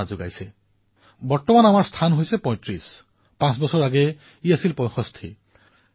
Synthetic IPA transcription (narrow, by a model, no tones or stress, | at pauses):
azʊɡa̰jsɛ | bɔɹtɔmanamaɹst̪ʰanɦojsɛpɔ̃j̃tɹis | pãsbɔsɔɹaɡɛ | iasilpɔ̃jxʰɔst̪ʰḭ